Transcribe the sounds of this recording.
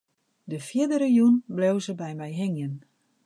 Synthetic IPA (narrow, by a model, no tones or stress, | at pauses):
dəfjɪdəɾəjunblewzəbɛjmɛjɦɪŋjən